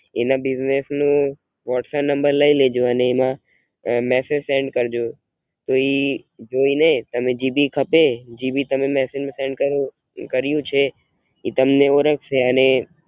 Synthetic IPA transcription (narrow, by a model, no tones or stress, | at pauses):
ḛnabɪznesnũ | ʋɔʈsɛpnə̃mbəɾləiled͡ʒoəneːmã | mɛsed͡ʒsẽɳɖkəɾd͡ʒo | t̪oid͡ʒoinet̪əmẽd͡ʒibikʰəped͡ʒibit̪əmemɛsed͡ʒmẽsẽɳɖkəɾ | kəɾjũt͡ʃʰe | it̪əmneoɾəkʰʃeəne